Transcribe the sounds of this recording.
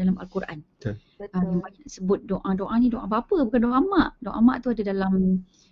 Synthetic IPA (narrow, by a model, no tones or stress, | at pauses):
dalamalkuɾʔa̰n | əmbaɲaʔsəbʊt̪̚doʔãdoʔanĩdoʔãpapəbukandoʔamaʔdoʔa̰mã̰ʔt̪uadadalam